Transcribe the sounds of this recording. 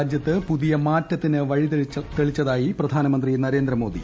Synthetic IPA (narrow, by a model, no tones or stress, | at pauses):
d͡ʑjɐt̪ːɨpuðijɐmaːtːɐt̪ːinɨʋɐɻit̪eɭit͡ɕːɐðaːjiprɐd̪ʱaːnɐmɐnd̪rinɐɾe̞ːnd̪ɾɐmo̞ːd̪ʱḭ